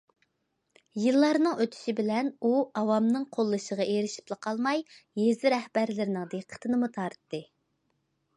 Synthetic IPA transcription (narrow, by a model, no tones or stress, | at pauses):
jɨlˠːɑɾnɨŋøt̪ʰy̥ʃibɪlɛnuɑwɑmnɨŋqʰolˠːɨʃəʁɑʔeɾɪʃi̥plˠəqʰɑlˠmɑjːezɪɾɛhbæɾlɪɾɪnɨŋd̪eqʰːə̥t̪ʰɨnɨmut̪ʰɑɾt̪ːɨ